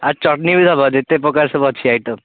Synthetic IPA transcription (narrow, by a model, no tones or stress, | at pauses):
aɾt͡ʃɔʈnibid̪ʱabad̪et̪epɔkaɾsɔbɔt͡ʃʰiajʈɔ